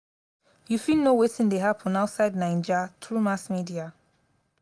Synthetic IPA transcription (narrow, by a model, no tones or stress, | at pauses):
jufilnowetĩndeɦapʰɔ̃naʊtsaɪdnãɪ̃nd͡ʒatʰɹumasmidia